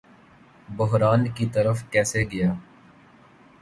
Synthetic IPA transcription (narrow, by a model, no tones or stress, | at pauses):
bʊɦɾaːnkit̪ɐɾəfkɛːseɡɐjaː